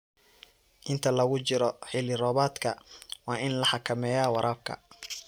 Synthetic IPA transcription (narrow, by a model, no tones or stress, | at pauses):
ʔɪnt̪ʰɐlɐɣʊt͡ʃɪɾɔħɪlɪrɔːβaːd̪kʰɐwɑːʔɪnlɐħɑkʰɐmɛːjaːwɑɾʔaːb̚kʰɐ̰